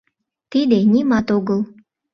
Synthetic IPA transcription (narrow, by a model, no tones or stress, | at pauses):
t̪id̪enʲimɑt̪oɣəl